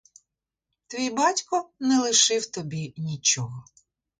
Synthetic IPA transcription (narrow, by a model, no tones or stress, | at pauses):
t̪ʋʲijbɑtʲkɔnɛlˠɪʃɪwt̪ɔbʲinʲit͡ʃɔɦɔ